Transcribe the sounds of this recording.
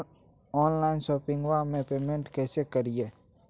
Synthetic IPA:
ɔːnlaɪnʃɔːpɪ̃ŋɡwamẽpeːmẽɳʈkɛːsekəɾieː

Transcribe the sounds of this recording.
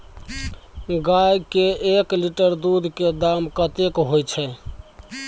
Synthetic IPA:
ɡajkeekliʈəɾd̪ud̪ʱked̪amkət̪ekɦojt͡ʃʰɛ

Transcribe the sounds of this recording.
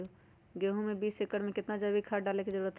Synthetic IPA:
o | ɡeɦũmẽbiːseːkəɾmẽkɪt̪nad͡ʒəbikʰaːɖaːlekid͡ʒəɾuːɾət̪ɦ

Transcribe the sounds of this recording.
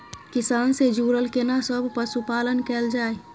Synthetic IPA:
kɪsaːnsed͡ʒʱuːɾəlkenasəbʱpəsupaːlənkɛːld͡ʒaːe

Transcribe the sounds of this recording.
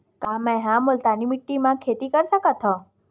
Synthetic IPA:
kamə̃jɦãmolt̪animiʈːimãkʰet̪ikəɾsəkat̪ʰɔ

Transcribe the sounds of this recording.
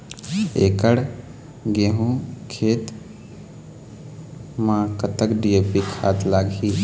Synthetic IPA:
eːkəɽ | ɡeːɦũkʰeːt̪ | mãkət̪əkɖijepikʰaːt̪ʰlaːɡɦiː

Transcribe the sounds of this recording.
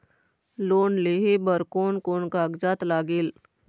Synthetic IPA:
lonleɦebəɾkonkoɳkaɡd͡zat̪laɡeːl

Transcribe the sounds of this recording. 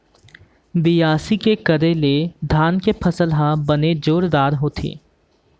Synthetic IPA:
bɪjaːsikekɐɾeled̪ʱaːnkepʰɐsəlɦabɐned͡ʒoːɾd̪aːɾɦoːt̪ʰḭː

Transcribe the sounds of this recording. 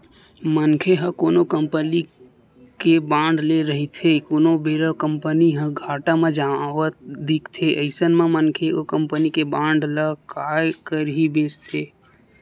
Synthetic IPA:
mənkʰeɦə̃konokəmpəni | kebãɳɖleɾəɦit̪ʰekonobeɾəkəmpəniɦə̃ɡʱaʈamed͡ʒaʋət̪̚d̪ikt̪ʰeʔəɪsənmemənkʰeokəmpənikebãɳɖləkajkəɾɦibest̪ʰe

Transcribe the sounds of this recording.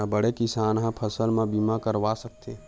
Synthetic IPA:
bəɽekisaːnɦə̃pʰəsəlmẽbimãkəɾʋasək̚t̪e

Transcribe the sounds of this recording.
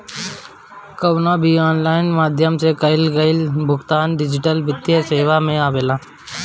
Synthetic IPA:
kənaːbʱiːɔːnlaːɪnmaːd̪ʱjəmsekəɪlɡəɪlbʱʊɡt̪aːnɖɪd͡ʒɪʈəlʋɪt̪ɪjəseːʋaːmẽaːʋeːlãː

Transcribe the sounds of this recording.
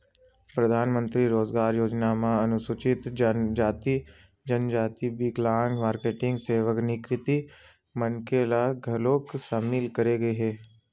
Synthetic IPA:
pɾɐd̪ʱaːnmə̃nt̪ɾiɾoːzɡaːɾjoːd͡ʒnamãɐnʊsʊt͡ʃɪt̪d͡ʒaːt̪i | d͡ʒɐnd͡ʒaːt̪ibiːklaːŋɡmaːɾkeːʈɪ̃ŋɡseːʋəknɪkɾɪt̪i | mɐnkeːlaɡʱɐloːkʃaːmɪlkɐɾeɡɐeɦɛː

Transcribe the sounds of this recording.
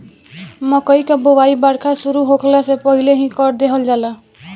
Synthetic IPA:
mɔkɔikabowaibaɽkʰasuɾuɦokʰlasepɔɦileɦĩkɔɾd̪eɦɔld͡ʒala

